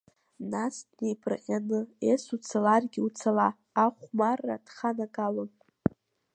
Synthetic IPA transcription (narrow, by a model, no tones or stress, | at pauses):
nasnejpʰʼrʔanɨesut͡sʰalarɡʲiut͡sʰalaː | χʷmarːa̰d̥χanakʼalɨ